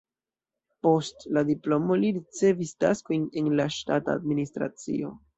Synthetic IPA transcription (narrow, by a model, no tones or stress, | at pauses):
po̞stladiplo̞mo̞liɾit͡se̞vista̰sko̞jne̞nlaʃtataːdministɾa̰t͡sḭo̞